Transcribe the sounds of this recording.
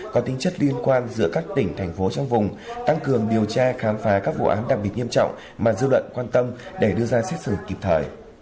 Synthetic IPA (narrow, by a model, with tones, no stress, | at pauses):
kɔ˨˦t̪ï˨˦ŋt͡ɕə˦˥t̚li˧ənkwaː˧nzɨ̰˧˥əkaː˦˥k̚t̪ï˧˩ŋ̟t̪ʰɛ˨˩jŋ̟fo˨˦t͡ɕɔ˧wŋ͡mvʊ˨˩ŋ͡mt̪a˧ŋkɨ˨˩əŋɗi˨˩əwt͡ɕaː˧xaː˨˦mfaː˨˦kaː˦˥k̚vṵ˧˨ʔaː˨˦nɗa˨˩i˨˩ət̚ɲi˧əmt͡ɕɔ̰˧˨wŋ͡m | maː˨˩zɨ˧lwə̰˧˨nkwaː˧nt̪ə˧mɗe˧˩ɗɨ˧əzaː˧sɛ˦˥t̚sɨ̰˧˩ki˨˩p̚t̪ʰəː˨˩j